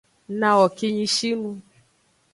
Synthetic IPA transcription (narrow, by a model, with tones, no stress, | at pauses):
nã˨wɔ˨ki˧ɲĩ˧ʃi˦nũ˧